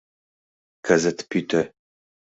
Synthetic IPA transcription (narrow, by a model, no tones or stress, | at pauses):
kʰɐzɐtʰpʰitʰɐ